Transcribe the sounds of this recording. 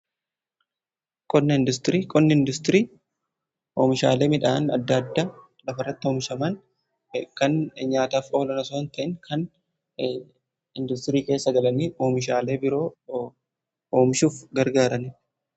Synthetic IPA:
kʼɔnːɐɪnd̪ʊst̪ɪɾiːkʼɔnːɐɪnd̪ʊst̪ɪɾiː | ʔoːmɪʃa̰ːle̞ːmɪᶑaːnɐd̪ːɐd̪ːa | lɐfɐrːɐt̪ːɪo̞ːmɪʃɐmɐn | kɐnɲaːt̪aːfo̞ːlɐnɐsoːnt̪ɐʔɪŋkʰɐn | ɪnd̪ʊst̪ɪɾiːke̞ːsːɐɡɐlɐniːo̞ːmɪʃaːle̞ːbɪɾo̞ː | oːmɪʃuːfɡɐɾɡaːɾɐnɪ

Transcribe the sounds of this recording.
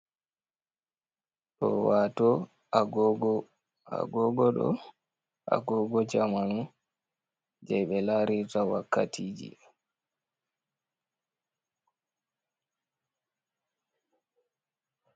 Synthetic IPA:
ɗɔ̰waːtɔ | aɡɔɡɔ | a̰ɡɔɡɔɗɔ̰ | a̰ɡɔɡɔd͡ʒamanu | d͡ʒɛjɓɛlaɾitawakʰːatʰiːd͡ʒḭ

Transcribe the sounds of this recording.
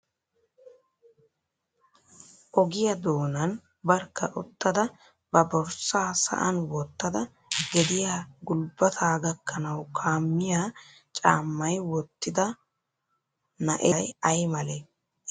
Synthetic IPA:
ʔɔɡɪjɐd̪o̞ːnɐn | bɐɾkːɐʔʊt̪ːɐd̪ɐ | bɐbɔɾsaːsɐ̰ʔɐnwɔt̪ːɐd̪ɐ | ɡɛd̪ɪjaːɡʊlbɐt̪ʰaːɡɐkːɐnɐwkʰaːmːɪjaː | t͡ʃʼa̰ːmːɐjwɔt̪ːɪd̪ɐ | nɐʔejɐjmɐlɛ

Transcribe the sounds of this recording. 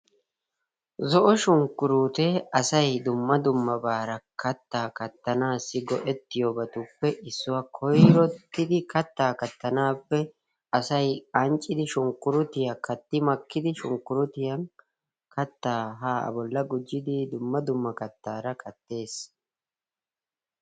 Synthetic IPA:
zɔʔɔʃʊŋkːʊɾuːt̪ɛɐsɐjd̪ʊmːɐd̪ʊmːɐbaːɾɐkʰɐt̪ːaːkɐt̪ːɐnaːsːɪɡɔʔɛt̪ːɪjɔbɐt̪ʊpːɛʔɪsːʊwakʰɔjɾɔt̪ːɪd̪ɪkɐt̪ːaːkɐt̪ːɐnaːpːɛ | ɐsɐjɐnt͡ʃʼːɪd̪ɪʃʊŋkːʊɾʊt̪ɪjɐkɐt̪ːɪmɐkːɪd̪ɪʃʊŋkːʊɾʊt̪ɪjɐn | kɐt̪ːaːɦaːɐ̰bɔlːɐɡʊd͡ʒːɪd̪ɪd̪ʊmːɐd̪ʊmːɐkɐt̪ːaːɾɐkʰɐt̪ːe̞ːs

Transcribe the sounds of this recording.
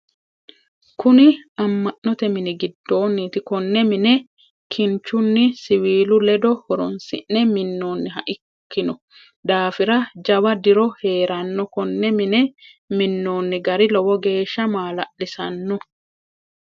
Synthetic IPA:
kʊnɪɐmːɐʔnɔt̪ɛmɪnɪɡɪd̪ːo̞ːnːiːt̪ɪkɔnːɛmɪnɛ | kʰɪnt͡ʃʊnːɪsɪwiːlʊlɛd̪ɔhɔɾɔnsɪ̰ʔnɛmɪnːoːnːɪɦɐʔɪkːɪnɔ | d̪aːfɪɾɐd͡ʒɐwɐd̪ɪɾɔhe̞ːɾɐnːɔkɔnːɛmɪnɛ | mɪnːoːnːɪɡɐɾɪlɔwɔɡe̞ːʃːɐmaːlɐʔlɪsɐnːɔ

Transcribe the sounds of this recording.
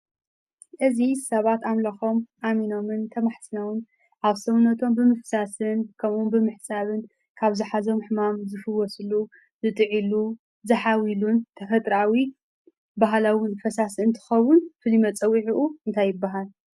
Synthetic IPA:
ʔɨzisɐβat̪amlɐxo̞mʔamino̞mɨnt̪ʰɐmaħsɨnɐwɨn | ʔaβsɐβnːɐt̪ʰo̞mbɨmɨfsasɨnkʰɐmumbɨmɨħsaβɨn | kʰaβzɨħazomħɨmamzɨfɨwɔsɨlu | zɨt̪ʼɨʕilu | zɨħawilunt̪ʰɐfɐt̪ʼɾawi | baɦlawɨnfɐsasɨnt̪ʰɨ̥xɐwʊnfɨlimɐt͡sʼɐwiʕiʔuɨnt̪ʰajːɨbːaɦal

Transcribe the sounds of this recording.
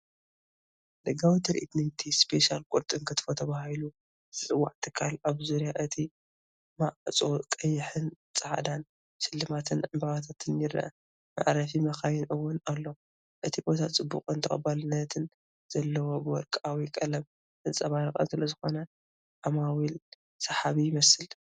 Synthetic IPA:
d̪ɐɡawit̪ʰɐɾʔḭt̪najt̪ʰispʰeʃalkʼʊɾt̪ʼɨŋkʰɨt̪ʰɨ̥fot̪ʰɐβahilu | z̥ɨt͡sʼɨwːa̰ʕt̪ʰɨkʰːalaβzuɾjaʔɨt̪ʰi | maʔt͡sʼokʼɐjɪħɨn | t͡sʼɐħa̰d̪an | ʃɪlːɨmat̪ʰɨnʕɨmbɐβat̪ʰat̪ʰɨnjɪɾ̰ʔɐ̰ | ma̰ʕɾɐfimɐxajɪnʔɨwːʊnalːo̞ | ʔɨt̪ʰibo̞t̪ʰat͡sʼɨbːṵqʼɨnt̪ʰɐχʼɐbalɨnːɐt̪ʰɨn | z̥ɐlːɐwo̞bɨwɔɾkʼawikʼɐlɐm | ʔɨt͡sʼɐβaɾɐkʼɐ̰nsɨlɐzɨxo̞nɐ | ʔamawil | sɐħaβijɪmɐsɨl

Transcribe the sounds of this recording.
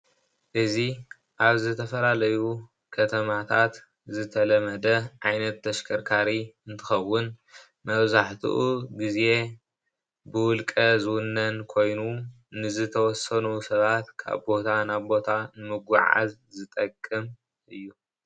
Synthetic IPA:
ʔɨzi | ʔaβzɨt̪ʰɐfɐlalɐju | kʰɐt̪ʰɐmat̪ʰat̪ | zɨt̪ʰɐlɐmɐd̪ɐʕajnɐt̪ʰːɐʃkʰɐɾkʰaɾiɨnt̪ʰɨxɐwːʊn | mɐβzaħt̪ʰɨ̰ʔuɡize̞ | bɨwʊlkʼɐzɨwʊnːɐnkʰo̞jnu | nɨzɨt̪ʰɐwɔsɐnusɐβat̪kʰa̰βbo̞t̪ʰanaβbo̞t̪ʰanɨmɨɡʷa̰ʕa̰zzɨt̪ʼɐkʼːɨm | ʔɨjːu

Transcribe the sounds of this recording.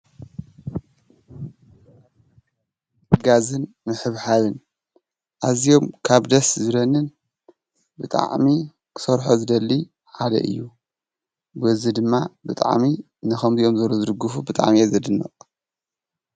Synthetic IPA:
ɡazɨn | mɨħɨβħalɨn | ʔazjo̞mkʰaβd̪ɐszɨɾɐnɨn | bɨt̪ʼa̰ʕmi | kʰɨ̥sɐɾħozɨd̪ɐlːi | ħad̪ɐ̰ʔɨ̰jːu | bɨzid̪ɨmːabɨt̪ʼa̰ʕmi | nɨxɐmzijo̞mzɐɾozɨd̪ɨɡufubɨt̪ʼa̰ʕmiazɐd̪ɨnːɐ̰ʔʼ

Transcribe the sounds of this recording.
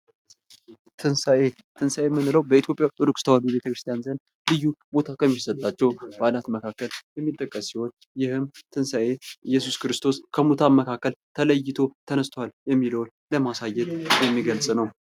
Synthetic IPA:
t̪ʰɨnsaʔe | t̪ʰɨnsajemːɨnːɨləwbəit̪jo̞pʼjawt̪ʼɨɾukʼst̪ʰəbabibe̞t̪ʰəkɾɨst̪ʰijanzən | lɨjːubo̞t̪ʰakʰəmːisət̪ʼːat͡ʃːɛwbalat̪məkʰakːəljɛmːit̪ʼːəkʼːəsːiho̞n | jɪhɨmt̪ʰɨnsaʔejːɛsuskɨɾɨst̪ʰo̞skʰəmut̪ʰaməkʰakːəlt̪ʰələjːɪt̪ʰo̞t̪ʰənəst̪ʰwaljɛmːiləwn | ləmasajːɛt̪jɛmːiɡəlsʼnəw

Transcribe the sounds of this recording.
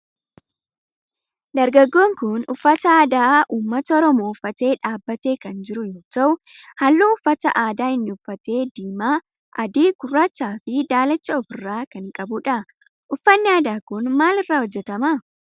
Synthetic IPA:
d̪ɐɾɡɐɡːo̞ːŋkʊnʊfːɐt̪ɐaːd̪aːʔuːmːɐt̪ɐɔɾɔmoːʊfːɐt̪e̞ːᶑaːbːɐt̪e̞ːkɐnd͡ʒɪɾʊjoːt̪ɐʔʊ | hɐlːuːʊfːɐt̪ɐ̰ʔaːd̪aːɪnːɪʊfːɐt̪e̞ːd̪iːmaː | ʔɐd̪iːkʊrːaːt͡ʃːaːfɪd̪aːlɐt͡ʃːɐɔfɪrːaːkɐŋkʼɐbʊᶑɐ | ʔʊfːɐnːɪaːd̪aːkʊnmaːlɪrːaːhɔd͡ʒːɛt̪ɐma

